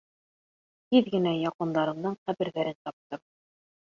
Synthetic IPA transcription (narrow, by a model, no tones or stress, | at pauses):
h̪iðɡɘ̆næjɑqɤ̆nd̪ɑɾɤ̆nd̪ɤɴqæbɘ̆ɾðæɾɘnt̪ɑp̚t̪ɤm